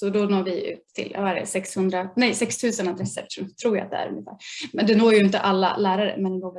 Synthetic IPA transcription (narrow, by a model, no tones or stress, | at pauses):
sɔd̪ɔnoːɾvɪʉ̟̰ːt̪ʰːɪ̰l̰vaɛɖɛ̰sɛkshɵnd̪ɾanɛjsɛkst̪ʰʉ̟ːsənad̪ɾɛsːə̰ɾt̪ʰɾuːja̰a̰t̪̚d̪ɛ̰æ̰ɾɵ̰ŋːɪfæ̰ːɾmɛnd̪ɛnoːjɵɪnt̪əʔalːa̰læːɾaɾə̰mɛnɡoːvɛ